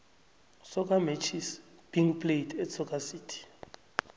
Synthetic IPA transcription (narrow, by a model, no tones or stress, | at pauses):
sɔkʼamɛt͡ʃʰis | b̥iŋpʼlejtʰɛt͡sʰɔkʼasiːtʰi̥